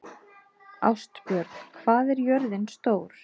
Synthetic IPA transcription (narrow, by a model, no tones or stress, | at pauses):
a̰wst̪pjœɾt̪n̥kʰvaːðɛɾjœɾðɪnst̪oːwɾ̥